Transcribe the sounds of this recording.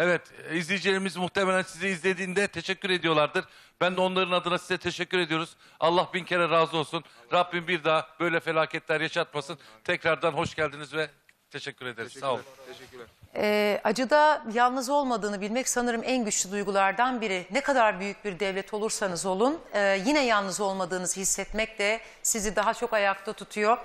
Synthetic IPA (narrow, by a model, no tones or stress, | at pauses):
evɛt̪izlʲijd͡ʒilʲeɾimizmuht̪ʰemelʲænsiziizlʲe̞d̪iːnd̪ɛt̪ʰe̞ʃɛcʲːyɾe̞d̪ijo̞lˠaɾd̪ɯɾ̥ | b̥ænd̪ɛo̞nlˠaɾɯnad̪ɯnasizɛt̪ʰe̞ʃɛcːyɾe̞d̪ijo̞ɾuz̥ | a̰lˠːahbincʰeɾɛɾaːzɯo̞lˠsunɾab̚ːimbiɾd̪aɦab̥ø̞jlʲɛfe̞lʲaːcʰɛt̪lʲæɾjaʃat̪̚masɯnt̪ʰɛcɾaɾd̪anɦo̞ʃɟælʲd̪inizvɛ | t̪ʰeʃɛcʰʲːyɾe̞d̪eɾizsa | ɛːʔad͡ʒɯd̪ajalˠnɯzo̞lˠmad̪ɯːnɯbilʲmɛcsanɯɾɯmʔænɟyt͡ʃlʲyd̪ujɡulˠaɾd̪anbiɾinɛkʰad̪aɾbyjyc̚biɾd̪ɛvlʲɛt̪ʰo̞lˠuɾsanɯzo̞lˠunɯːjinɛjalˠnɯzo̞lˠmad̪ɯːnɯz̥ɯhisːɛt̪mɛc̚t̪ɛ | sizid̪aɦat͡ʃʰo̞kajakt̪ʰat̪ʰut̪ʰujo̞